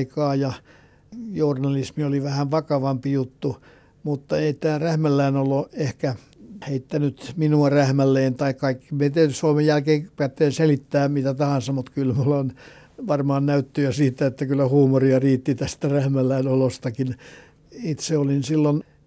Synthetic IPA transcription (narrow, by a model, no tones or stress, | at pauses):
ikɑːjɑ | jornɑlismioliʋæhæʋʋɑkɑʋɑmpijut̪ːu | mut̪ːɑeit̪æːræhmælːæːnoloehkæ | heit̪ːænyt̪minuɑræhmælːeːnt̪ɑikkɑikːi̥met̪æyt̪ysuomejjælkeːpæːt̪ːeːnselit̪ːæːmit̪æt̪ɑhɑnsɑmut̪kylmulːon | ʋɑrmɑːnnæyt̪ːøæsiːt̪æet̪ːækylːæhuːmoriɑriːt̪ːit̪æst̪ærehmælːæinolost̪ɑkin | it̪seolinsilːon